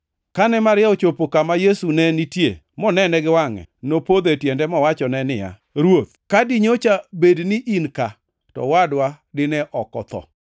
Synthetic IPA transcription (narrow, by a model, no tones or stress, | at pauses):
kanɛmaɾjɛot͡ʃopokamajesunɛnitjḛ | mɔnɛnɛɡɪwaŋɛ̰nopod̪etjɛndɛmɔwat͡ʃɔnɛnɪja̰ | ɾwot̪̚kadɪɲot͡ʃabednɪʔinka | tɔ̰wadwa | dɪnɛʔɔkɔ̰t̪ɔ̰